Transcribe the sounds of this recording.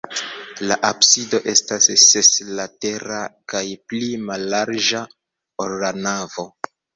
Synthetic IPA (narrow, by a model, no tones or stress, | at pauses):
laʔapsido̞ʔe̞stasseslate̞ɾakajplimalːaɾd͡ʒa | olːanavo̞